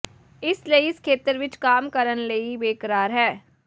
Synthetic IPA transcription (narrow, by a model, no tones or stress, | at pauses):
ɪsleiɪskʰeːt̪əɾʋɪt͡ʃkaːmkəɾənleibeːkəɾaːɾɦɛː